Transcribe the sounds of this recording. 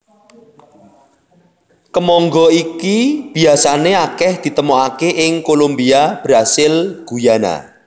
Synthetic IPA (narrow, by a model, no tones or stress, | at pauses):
kəmɔŋɡɔikib̥i̤asaneakɛhd̪̥i̤t̪əmoakeʔɪŋkolombiab̥ɾasɪlɡ̥ujana̰